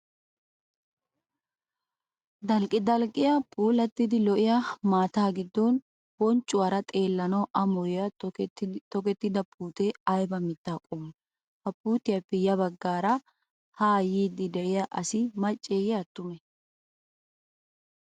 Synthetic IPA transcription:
d̪ɐlkʼɪd̪ɐlkʼɪjɐpʼuːlɐt̪ːɪd̪ɪlɔʔɪjɐmaːt̪aːɡɪd̪ːɔn | bɔnt͡ʃʼːʊwaɾɐt̪ʼe̞ːlːɐnɐwʔɐmɔjɪjɐ | t̪ɔkɛt̪ːɪd̪ɐpʰʼuːt̪ɛɐjbɐmɪt̪ːaːkʼɔmː | hɐpuːt̪ɪjɐpːɛjɐbɐɡːaːɾɐ | haːjiːd̪ːɪd̪ɛʔɪjaʔɐsɪmɐt͡ʃʼːeːjɛɐt̪ːʊmɛ

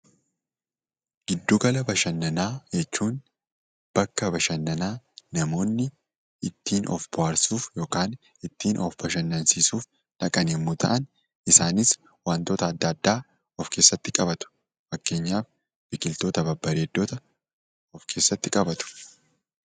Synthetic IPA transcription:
ɡ̥ɪd̪ːoɡɐlɐbɐʃɐnːɐnaːd͡ʒɛt͡ʃːuːn | b̥ɐkːɐbɐʃɐnːɐnaːnɐmo̞ːnːɪ | ɪt̪ʰːiːnʔɔ̰fb̥ʊwaːɾsuːfjoːkaːn | ɪt̪ːiːnʔɔfbɐʃɐnːɐnsiːsuːf | ᶑɐkʼɐnɛmːut̪ʰɐ̰ʔɐn | ʔɪsaːnɪs | waːnt̪o̞ːt̪ɐːd̪ːɐːd̪ːaː | ɔfke̞ːsːɐt̪ːɪkʼɐbɐt̪ʊ̥ | fɐkːe̞ːɲːaːf | b̥ɪkɪlt̪o̞ːt̪ɐbɐbːɐɾeːd̪ːoːt̪ɐ | ɔfkʰe̞ːsːɐt̪ːɪkʼɐbɐt̪ʊ̥

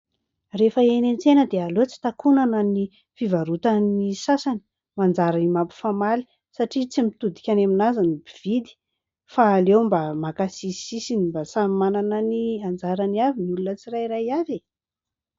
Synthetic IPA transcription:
refəenent͡senəd̪ealot͡si̥t̪akunanəni | fivaɾut̪anisasani̥ | mand͡zaɾanimapi̥famali̥ | saʈ͡ʂit͡simit̪ud̪i̥kʲanaminazanibiv̥id̪i̥ | faːlewmbamakasisisinimbasamimananəniand͡zaɾaniaviniulunət͡siɾajɾajave

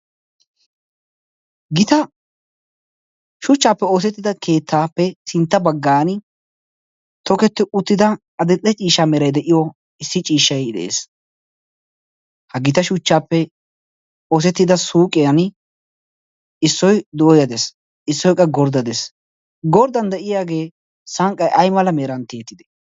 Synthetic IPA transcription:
ɡɪt̪ɐ | ʃʊt͡ʃːaːpːɛo̞ːs̬ɛt̪ːɪd̪ɐkʰe̞ːt̪ʰːaːpːɛsɪnt̪ːɐbɐɡːaːn | t̪ɔkɛt̪ːɪʔʊt̪ːɪd̪ɐ | ɐd̪ɛtʼːɛt͡ʃʼiːʃamɛɾɐjd̪ɛʔɪjɔ | ɪsːɪt͡ʃʼiːʃːɐjd̪ɛ̰ʔḛːs | hɐɡɪt̪ɐʃʊt͡ʃːaːpːɛ | o̞ːsɛt̪ːɪd̪ɐsuːkʼɪjɐn | ɪsːɔjd̪ʊʔɔjɐd̪es | ɪsːɔjkʼːɐɡɔɾd̪ɐd̪es | ɡɔɾd̪ɐnd̪ɛʔɪjaːɡe̞ː | sɐŋkʼɐjʔɐjmɐlɐmeːɾɐnt̪eːt̪ːɪd̪ɛ̥

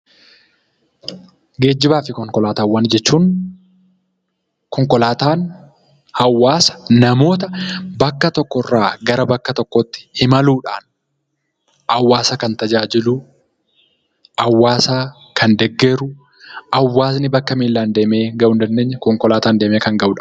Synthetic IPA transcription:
ɡe̞ːd͡ʒːɪbaːfɪkɔŋkɔlaːt̪aːwːɐnd͡ʒɛt͡ʃːuːn | kɔŋkɔlaːt̪aːn | hɐwːaːsɐ̥nɐmo̞ːt̪ɐbɐkːɐt̪ɔkːɔrːaːɡɐɾɐbɐkːɐt̪ɔkːɔt̪ːɪ̥hɪmɐluːᶑa̰ːn | ʔɐwːaːsɐkɐnt̪ɐd͡ʒaːd͡ʒɪlʊ | ʔɐwːaːsaː | kʰɐnd̪ɛɡːɛɾʊ | ɐwːaːs̬nɪbɐkːɐmiːlːaːnd̪e̞ːme̞ːɡɐʔʊnd̪ɐnd̪eːɲːɐkɔŋkɔlaːt̪aːnd̪e̞ːme̞ːkɐŋɡɐʔʊᶑḁː

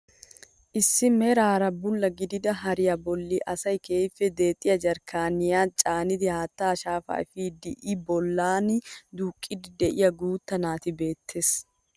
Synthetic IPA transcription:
ʔɪsːɪmɛɾaːɾɐbʊlːɐɡɪd̪ɪd̪ɐɦɐɾɪjɐbɔlːiʔɐsɐjkeːfɛd̪e̞ːt̪ʼɪjɐd͡ʒɐɾkaːnɪjaːt͡ʃʼaːnɪd̪ɪhaːt̪ːaːʃaːfa̰ːfiːd̪ɪʔɪbɔlːaːnɪd̪uːkʼːɪd̪ɪd̪ɛʔɪjɐɡuːt̪ːɐnaːt̪ɪbe̞ːt̪ʰːes

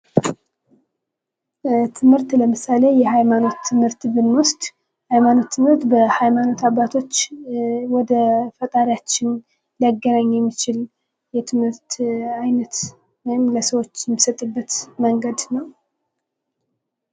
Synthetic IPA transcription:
t̪ʰɨmhɨɾt̪ləmɨsale̞jɛhajmano̞t̪ʰːɨmhɨɾt̪bɨnwʊst̪ʼ | hajmano̞t̪ːɨmhɨɾt̪bəhajmano̞t̪ʰaβːat̪ʰo̞t͡ʃːwɔd̪əfət̪ʼaɾjat͡ʃːɪn | ljaɡːənaɲːjɛmːit͡ʃɪl | jɛt̪ʰɨmhɨɾt̪ajnət̪ | wɔjɪmləsəwo̞t͡ʃːjɛmːisət̪ʼːɨbːət̪məŋɡəd̪nəw

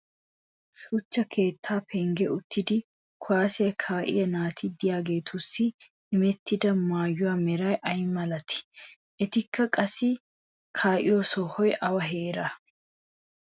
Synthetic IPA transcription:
sʊt͡ʃːɐkʰe̞ːt̪ʰːaːpʰɛŋɡɛʊt̪ːɪd̪ɪ | kʰʊwaːsɛjɐkʰaːʔɪ̰jɐnaːt̪ʰɪd̪ɪjaːɡe̞ːt̪ʰʊsːɪ | ɪmɛt̪ːɪd̪ɐmaːjːʊwaːmɛɾɐjʔɐjmɐlɐt̪ɪ̥ | ɛt̪ɪkʰːɐkʼɐsɪ | kʰaːʔɪjɔsɔhɔjʔɐwɐɦeːɾɐ

